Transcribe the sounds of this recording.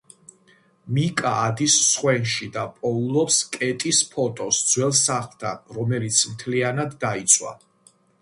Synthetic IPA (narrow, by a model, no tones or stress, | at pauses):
mikʼaːd̪isːχwɛnʃid̪apʼɔulˠɔpskʼɛt̪ʼispʰɔt̪ʼɔsd̪zwɛlˠsaχlˠt̪ʰanɾɔmɛlit̪sʰmt̪ʰlianad̪ːait̪sʰʼwa̰